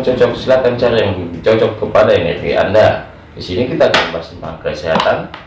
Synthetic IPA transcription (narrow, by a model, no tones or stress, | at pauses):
t͡ʃɔt͡ʃɔk̚səlat̪ant͡ʃaɾajaŋt͡ʃɔt͡ʃɔkːəpadajaŋerɡḭʔa̰nda | disinikit̪aːkanəmbasənpaɦaŋkəsiɦa̰t̪an